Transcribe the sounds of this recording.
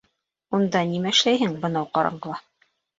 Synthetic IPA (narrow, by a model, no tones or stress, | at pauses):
und̪ɑnimæɘ̆ʃlæjɦɘŋbɤ̆nɑwqɑɾɑ̰ɴɢɤ̆lˠɑ